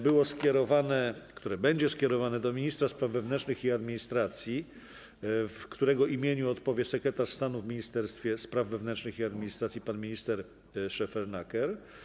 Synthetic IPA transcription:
bɘwɔskʲɛɾɔvanɛkt̪uɾɛbɛɲd͡ʑɛskʲɛɾɔvanɛd̪ɔmʲiɲist̪ɾaspɾavːɛvnɛnt͡ʂnɘxiad̪mʲiɲist̪ɾat̪sʲji | fkt̪uɾɛɡɔʔimʲjeɲuɔt̪pɔvʲjɛsɛkɾɛt̪aʂst̪anuvmʲiɲist̪ɛɾst̪fʲjɛspɾavːɛvnɛnt͡ʂnɘxiad̪mʲiɲist̪ɾat̪sʲjipanmʲiɲist̪ɛɾ | ʂɛfɛɾnakɛɾ

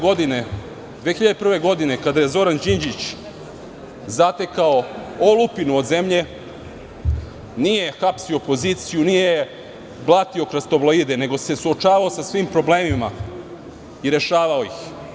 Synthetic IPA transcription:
ɡod̪ine | d̪ʋexiʎad̪epr̩ʋe̞ɡo̞d̪ine̞kad̪aje̞zo̞ɾand͡ʑind͡ʑit͡ɕ | zat̪e̞kaoolupinuod̪ze̞mʎe̞ | nijexapsio̞po̞ziːt̪sijunije | blˠat̪io̞kɾast̪o̞vloiːd̪ene̞ɡo̞se̞suot͡ʃaːʋaosasʋiːmpɾo̞bleːmima̰ | iɾe̞ʃaːʋaoix

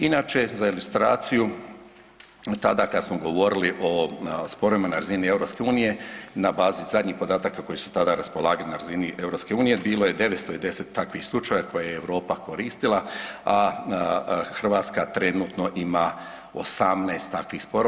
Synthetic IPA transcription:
inaːt͡ʃe̞zailust̪ɾaːt̪siju | t̪ad̪akad̪asmoɡo̞ʋo̞ɾiliʔo̞spo̞ɾo̞ʋimanaɾazinie̞vɾo̞pske̞uːnije̞nabaːzizad̪ɲiːxpo̞d̪aːt̪aːkako̞jisu̥t̪ad̪aɾaspo̞lˠaːɡalinaɾaziniʔe̞vɾo̞pske̞uːnije̞biːlˠoje̞d̪e̞ʋetst̪oid̪ese̞t̪ːakʋixslˠut͡ʃajako̞jajeeʋɾo̞ːpako̞ɾiːst̪ilaa | xr̩ʋaːt̪skat̪ɾe̞nuːt̪no̞ʔima | o̰samnaest̪ːakʋixspoɾo

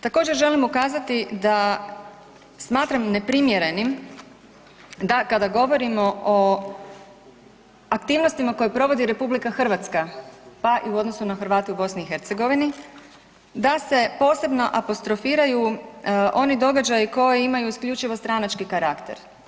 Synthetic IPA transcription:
t̪ako̞ːd͡ʒe̞ɾʒe̞limukaːzat̪id̪a | smaːt̪ɾamne̞pɾimje̞ɾe̞nim | d̪akad̪aɡo̞ʋo̞ɾimo̞ʔo | akt̪iːʋnost̪imako̞jepɾo̞ʋo̞d̪iɾe̞publikaxr̩ʋat̪skapaʔiuo̞d̪no̞sunaxɾʋaːt̪eubo̞sniːxe̞ɾt̪seɡo̞ʋini | d̪ase̞po̞ːse̞bno̞ʔapo̞st̪ɾo̞fiːɾajuʔo̞nid̪o̞ɡad͡ʒajiko̞jeimajuiskʎʲut͡ʃiʋo̞st̪ɾanat͡ʃkikaɾakt̪e̞ɾ

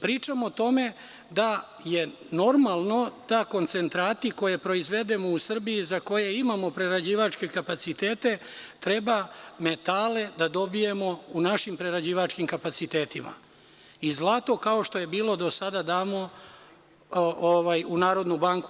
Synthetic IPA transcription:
pɾiːt͡ʂamot̪o̞me̞ | d̪a | je̞ | no̞ɾmalˠno̞d̪̥ako̞nt̪se̞nt̪ɾaːt̪iko̞je̞pɾo̞izʋe̞d̪e̞mo̞usr̩biizako̞je̞imamo̞pɾeɾad͡ʑiːʋat͡ʃke̞kapat̪sit̪eːt̪e̞t̪ɾe̞bamet̪ale̞d̪ad̪o̞bije̞mo̞unaʃimpɾeɾad͡ʑiːʋat͡ʃkimkapat̪sit̪eːt̪ima̰ | izlˠat̪o̞kao̞ʃt̪o̞je̞biːlˠo̞d̪o̞sad̪ad̪aːmo | oʋajunaːɾo̞d̪nubaŋku

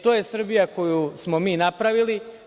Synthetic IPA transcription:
t̪o̞ːje̞sr̩bijako̞jusmo̞miːnapɾaʋili

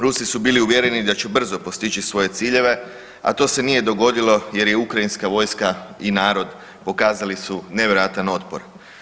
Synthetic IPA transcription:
ɾusisubiːliuʋje̞ɾe̞nid̪at͡ʃubr̩zopo̞st̪it͡ʃisʋo̞je̞t̪siːʎe̞ʋe̞ | a̰t̪o̞ːse̞nije̞d̪o̞ɡo̞d̪ilo̞je̞ɾje̞ukɾainskaʋo̞jskainaːɾo̞d̪ | po̞kaːzalisuneʋjeɾojat̪ano̞t̪po̞ɾ

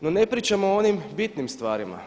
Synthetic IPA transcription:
nonepɾit͡ʃamoonimbit̪nimst̪ʋaːɾima̰

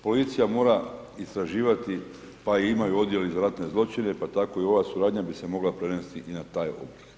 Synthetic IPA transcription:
po̞lit̪sijamo̞ːɾa | ist̪ɾaʒiːʋat̪i | paiimajuo̞d̪je̞lizaɾat̪ne̞zlˠo̞t͡ʃine̞pat̪ako̞io̞ʋasuɾaːd̪ɲabise̞mo̞ɡlapɾe̞nest̪iʔinat̪aːjo̞̰blik

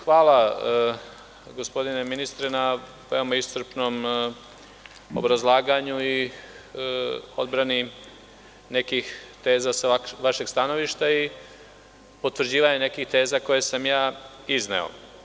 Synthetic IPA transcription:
xʋaːlˠa | ɡospo̞d̪ineminist̪ɾena | ʋeo̞maist̪ɾ̩pno̞ːm | o̰bɾazlˠaːɡaɲui | o̞d̪bɾani | ne̞kixt̪e̞ːzasaʋaʃe̞ɡ̥st̪ano̞ʋiʃt̪ai | pot̪ʋɾ̩d͡ʑiːʋaɲene̞kixt̪e̞ːzako̞jesamjaː | iznḛo̞̰

